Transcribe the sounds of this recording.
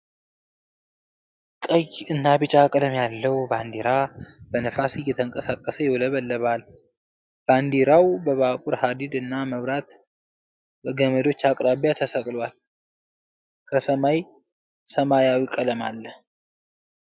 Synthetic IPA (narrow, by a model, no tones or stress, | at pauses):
kʼəjɨnːabɨt͡ʃʼakʼələmjalːəwuband̪iɾab̥ənəfasijːɛt̪ʰəŋkʼəsakʼːəsəjɛləβəlːəβal | b̥and̪iɾawbəβakʼuɾhad̪id̪ɨnːaməβɾat̪ | bəɡəməd̪o̞t͡ʃːakʼɾaβjat̪ʰəsəkʼlwal | kʰəsəmaj | səmajawikʼələmalːə